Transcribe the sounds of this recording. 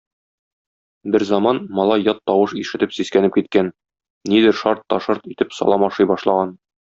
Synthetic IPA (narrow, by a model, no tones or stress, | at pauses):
bɘɾzɒmɑnmɒlˠɑjɒt̪ːɒwɤʃiʃɘ̆t̪ɘpsiskænɘp̚kit̪̚kæn | nid̪ɘɾʃɑɾt̪ːɒʃɤɾt̪it̪ɘpsɒ̰lˠɑmɒʃɤjbɒʃlˠɑʁɑn